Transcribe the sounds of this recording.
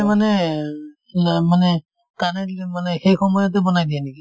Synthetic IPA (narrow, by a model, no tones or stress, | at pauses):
manɛ | manɛ | kanɛmanɛxejkʰɔmɔjɔt̬ɛbɔnajdiɛniki